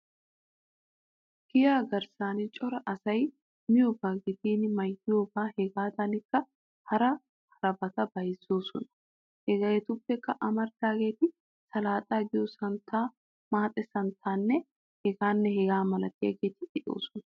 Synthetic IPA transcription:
ɡ̥ɪjaːɡɐɾsaːnɪt͡ʃʼɔɾɐʔɐsɐj | mɪjobaːɡeːt̪iːnmɐjːoːbaːhɛɡaːt̪anɪkːɐ | hɐɾɐ | hɐɾɐbɐt̪ɐbɐjɪsoːsɔ̰nɐ | hɛɡɐjɛt̪ʊbːɛkːɐʔɐmɐɾd̪aːɡeːt̪ɪ | sɐlaːt̪ʼaːɡɪjosɐnt̪ʰaː | maːt̪ʼɛsɐnt̪ʰaːnːɛ | hɛɡaːnːɛhɛɡaːmɐlɐt̪ɪɐɡeːt̪ːɪᶑɪʔo̰ːsɔ̥nɐ̥

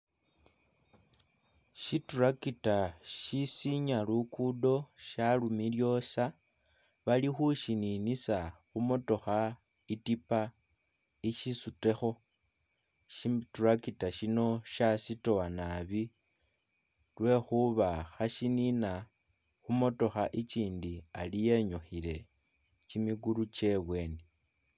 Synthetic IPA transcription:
ʃiturakitaʃisiɲalukudo̞ʃalumiljo̞sa | βalixuʃininisaxumoto̞xa | itipa | iʃisute̞xo̞ | ʃiturakitaʃino̞ʃasito̞anaβi | lwe̞xuβaxaʃinina | xumo̞to̞xaʔit͡ʃiːndialije̞ɲoxile̞ | t͡ʃimiɡuɾut͡ʃe̞βwe̞ːne

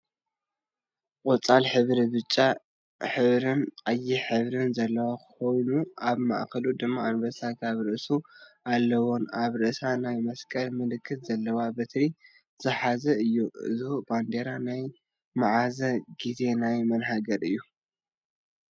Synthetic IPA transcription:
qʼʊt͡sʼalħɨβɾiβɨt͡ʃʼːa | ħɨβɾɨnqʼajːiħɨβɾɨnzɐlːɐwakxo̞jnuaβma̰ʔkɐlud̪ɨmːaːnbɐsakʰaβɾɨʔsualːɐwo̞naβɾɨʔsanajmɐskʼɐlmɨlɨkʰːɨt̪zɐlːɐwabɨt̪ʰɾi | z̥ɨħazɐɨjːuɨ̰zɨhuʔband̪e̞ɾanaj | maʕazɐɡ̥ize̞najmɐnɦaɡɐɾɨjːu

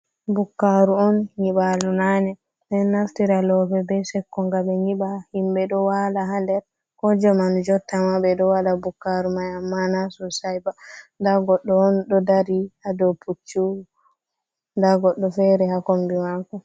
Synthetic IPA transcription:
bukːaɾuɔnɲiɓalunanɛ | nɛnnaftiɾalɔpɛbɛsɛkːɔŋɡaɓɛɲiɓahimɓɛɗɔwalaɦandɛɾ | kɔd͡ʒɔmand͡ʒɔtːamabɛɗɔwaɗabukːaɾumajamːanasɔsajbandaɡɔɗːɔɔnɗɔdaɾihadɔpʰut͡ʃːu | ndaɡɔɗːɔfɛɾɛhakombimakɔ

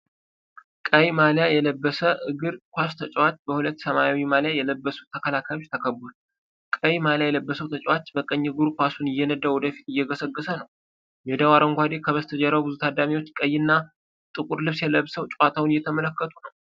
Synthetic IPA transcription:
kʼəjmaljajɛləbːəsəʔɨɡɨɾkʷast̪ʰət͡ʃʼwat͡ʃːbəhulət̪ːsəmajawimaljajɛləbːəsu̥t̪ʰəkʰəlakʰajo̞t͡ʃːt̪ʰəkʰəbːul | kʼəjmaljajɛləbːəsəwt̪ʰət͡ʃʼwat͡ʃːbəkʼəɲːɡɨɾkʷasunɪjːɛnəd̪awɔd̪əfi̥t̪ɪjːɛɡəsəɡːəsənəw | jɛd̪awaɾəŋɡʷad̪ekʰəβəst̪ʰəd͡ʒɛɾawbɨzut̪ʰad̪amiwo̞t͡ʃːkʼəjːɨnːa | t̪ʼɨkʼuɾlɨβsjɛləβsəwt͡ʃʼwat̪ʰawnɪjːɛt̪ʰəmələkːət̪ʰʼunəw

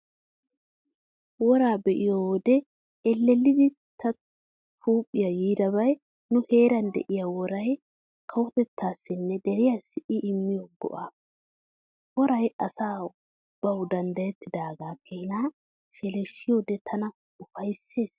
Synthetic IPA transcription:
wɔɾaːbɛʔɪjod̪ɛ | ɛlːɛlːɪd̪ɪ | t̪ʰɐ | t̪ʰuːpʼːɪjɐjiːd̪ɐbɐj | nʊhe̞ːɾɐnd̪ɛ̰ʔɪjawɔɾɐj | kʰɐwɔt̪ɛt̪ːaːsːɪnːɛd̪ɛɾɪjasɪʔɪʔɪmːɪjoɡɔ̰ʔaː | wɔɾɐjɐsaː | b̥ɐwd̪ɐnd̪ɐjɛt̪ːɪd̪aːɡaːkʰːehɪnaː | ʃɛlɛʃːɪjoːd̪ɛt̪ʰɐnɐ | ʊfɐjsːe̞ːs

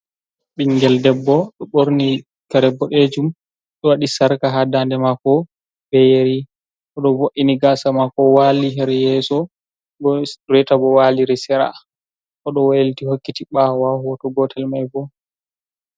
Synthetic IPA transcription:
ɓiŋɡɛldɛbːɔɗɔɓoɾni | kaɾɛbːɔɗed͡ʒum | ɗɔwaɗisaɾkaɦadandɛmakɔ | bɛjeɾi | ʔɔɗɔboʔiniɡasamakɔwaliɦɛɾɛjɛsɔ | bɔɾɛtabɔwaliɾɛsɛɾa̰ | ʔɔɗɔwajiltihokːitiɓawahɔtɔɡɔtʰɛlmajbɔ

